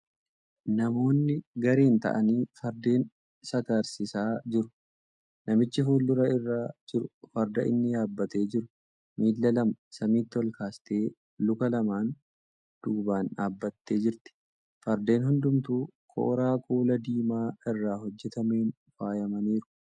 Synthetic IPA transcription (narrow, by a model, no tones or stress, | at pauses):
nɐmo̞ːnːɪɡɐɾeːnt̪ɐ̰ʔɐniːfɐɾd̪e̞ːn | sɐkɐɾsɪsaːd͡ʒɪɾʊ | nɐmɪt͡ʃːɪfuːlːʊɾɐɪrːaːd͡ʒɪɾʊfɐɾd̪ɐʔɪ̰nːɪjaːbːɐt̪e̞ːd͡ʒɪɾʊ | miːlːɐlɐmɐsɐmiːt̪ːɪɔlkaːst̪e̞ː | lʊkɐlɐmaːn | d̪̥uɡbaːnaːbːɐt̪ːe̞ːd͡ʒɪɾt̪ɪ̥ | fɐɾd̪e̞ːnɦʊnd̪ʊmt̪uːkʰɔ̰ːɾaːkuːlɐd̪iːmaːɪrːaːɦɔd͡ʒːɛt̪ɐme̞ːn | faːjɐmɐniːɾʊ̥